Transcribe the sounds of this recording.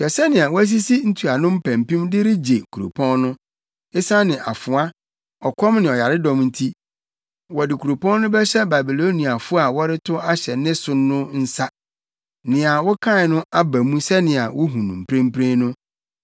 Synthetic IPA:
fɛ˨sɛ˦nɪ̃˨a˨wɔ˦æ˦s̬i˦si˦n̩˦tʰu˨a˨nʊ̃˦m̩˦pʰæ̃˨m˨pĩ˦mdɪ˦ɾɪ˦d͡ʑe˨kʰu˨ɾo̰˨pʰɔ̃˦nnʊ̃˦ | e˦sã˦nɪ̃˨ʔa˨fʊ̃˨a˦ | ɔ˨kʰɔ̃˦mnɪ̃˨ɔ˨ja˨ɾɪ˦dɔ̃˦mn̩˦tʰi˦ | wɔ˨dɪ˨kʰu˨ɾo˨pʰɔ̃˦n˦nʊ̃˦bɛ˦ɕɛ˦ba˨bi˨lo˦nĩ˨a˨fʊ˦a˨wɔ˦ɾɪ˦tʰʊ˦a˦ɕɛ˨nɪ̃˦sʊ˦nː˦ʊ̃˦n̩˦sa˦ | nɪ̃˨a˨wɔ˦kʰã˦ɪ˨nʊ̃˦a˦bæ˨mũ˦sɛ˦nɪ̃˨a˨wʔɔ˦ɦũ˨nũ˨m̩˨pʰɾẽ˦m̩˦pɾẽ˦nʊ̃˦

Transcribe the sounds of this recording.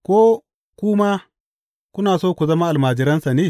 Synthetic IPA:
kʷoː˦ | kʷʊ˦maː˦ | kʷʊ˦naː˨soː˦kʷu˨zɐ˦ma˦ʔa˨lmaː˨d͡ʒɪ˦ɾɐ˦nsa˨neː˦˨

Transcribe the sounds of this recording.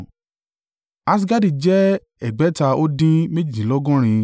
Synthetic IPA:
a˧s̬i˧ɡa˦di˨d͡ʒɛ˦ | ɛ˨ɡ͡bɛ˨˦ta˧o˦dĩ˦me˦d͡ʒi˨d͡ʒi˨lɔ˦ɡɔ̃˦ɾ̃ĩ˧

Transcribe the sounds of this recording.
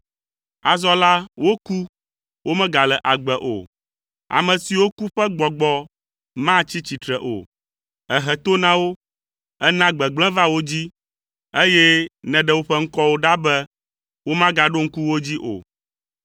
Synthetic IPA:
a˨zɔ˦la˦wo˦ku˦ | wo˦mɛ̃˦ɡa˨lɛ˨ʔa˨ɡ͡bɛ˨ʔo̰˨ | a̰˨mɛ̃˨si˨wo˦ku˦ɸɛ˦ɡ͡bɔ˨ɡ͡bɔ˦ | mã˦t͡ɕi˦t͡ɕi˨t̪ɾɛ˨ʔo̰˨ | ɛ˨ɦɛ˨t̪o˦nã˦wo˦ | ɛ˦nã˦ɡ͡bɛ˨ɡ͡blɛ̃˦va˦wo˦d͡ʑi˦ | e˦jɛ˦nɛ̃˨ɖɛ˦˨wo˦ɸɛ˦ŋ̩˦kɔ˦wo˦ɖa˦bɛ˦ | wo˦mã˦ɡa˨ɖo˦ŋ̩˦ku˦wo˦d͡ʑi˦ʔo̰˨

